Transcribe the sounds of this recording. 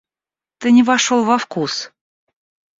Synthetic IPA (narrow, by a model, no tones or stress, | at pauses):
t̪ɨnʲɪvɑʃolˠvafkus